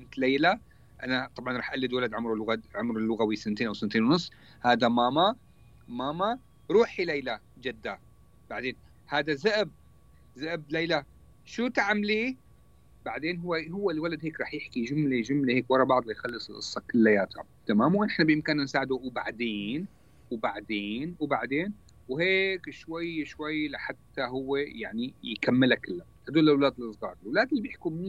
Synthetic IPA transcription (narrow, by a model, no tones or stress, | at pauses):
ɪnt̪leːla | ʔanat̪ˤɑbʕɑnɾˤɑːħʔalːɪd̪walad̪ʕʊmɾulʊɣaʕʊmɾulːʊɣawisɪnt̪eːnʔawsant̪eːnwnʊsˤː | haːd̪amaːma | maːma | ɾˤuːħilejlad͡ʒad̪ːa | b̥aʕd̪eːn | haːd̪azaʔb̚ | zaʔb̚lejla | ʃuːt̪aʕamliː | baʕd̪eːnɦʊwːeɦʊwːelwalad̪heːkɾˤɑːħjɪħkiʒʊmleʒʊmleheːkwɑɾˤɑbɑʕd̪ˤlajxalːɪsˤɪlʔɨ̰sˤːɑkɪlːajaːt̪ɾɑ̰b̚t̪amaːmwnɪħnabjɪmkɪnɪnsaːʕɪd̪uwba̰ʕd̪eːn | wbaʕd̪eːnwbaʕd̪eːn | wheːkʃwajʃwajlaħat̪ːaɦʊwːeja̰ʕnijkamːɪlakɪlːa | ad̪uːlɪlwlaːd̪ɪlʔɨsˤɣɑ̰ːɾˤlwlaːd̪ɪlːbjɪħkum